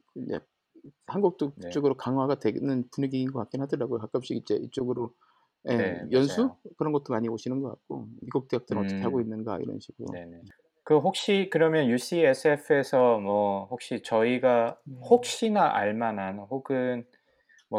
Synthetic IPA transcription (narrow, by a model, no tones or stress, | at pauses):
kjḛ | hanɡuk̚t͈oit͡ɕ͈oɡɯɾokaŋɦwaɡadwe̞nɯnpuɲeɡinɡʌkak̚k͈inɦadɯɾaɡokak͈apɕ͈iɡid͡ʑe̞̰it͡ɕ͈oɡɯɾo | jejʌnsʰukɯɾʌnɡʌt͈omaɲioɕʰinɯnɡʌk͈a̰t̚k͈o̰miɡok̚t͈eak̚t͈ɯnɯnʌttʌkʰehaɡoinːɯnɡa̰ḭɾʌ̰nɕʰiɡɯɾo̰ | kɯɦok̚ɕ͈ikɯɾʌmjʌnjus͈ʰies͈ʰɯepʰɯe̞sʰʌmwʌhok̚ɕ͈it͡ɕʌiɡahok̚ɕ͈inaʔa̰ɭmananhoɡɯn | mʌ